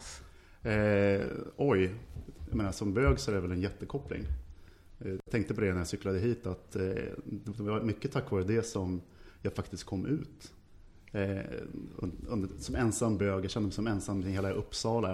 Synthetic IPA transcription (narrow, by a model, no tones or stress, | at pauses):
ʔɔjja̰meːnasɔmbøːɡsɔæɾɛvɛlɛnjɛt̪ːəkʰɔpːlɪ̰ŋ | jat̪ʰɛŋk̚t̪əp̬ʰɔd̪ɛnæɾjasʏklad̪əɦiːt̪at̪d̪ɛvamʏkːət̪ʰakːvɑːɾəd̪ɛsɔmjɑːɡfakt̪ɪst̪̚kʰɔmːʔʉ̟ːt̪ | nɵnd̪sɔmɛnsamːbøːɡjaɕɛnd̪əmɛɪsɔmɛnsamːɛɪnheːlaʔɵpːsɑːla